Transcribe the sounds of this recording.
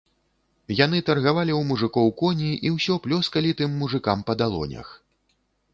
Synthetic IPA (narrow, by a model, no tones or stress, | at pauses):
janɨt̪ɐrɣavalʲiwmuʐɨkɔwkɔnʲiʔiwsʲɔplʲɔskɐlʲit̪ɨmːuʐɨkampɐd̪alˠɔ̰nʲɐ̰x